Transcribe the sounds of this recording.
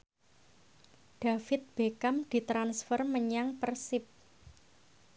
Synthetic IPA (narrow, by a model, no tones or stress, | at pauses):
d̥a̤fɪt̪̚b̥ekamd̪̥i̤t̪ɾansfərməɲaŋpərsɪp̚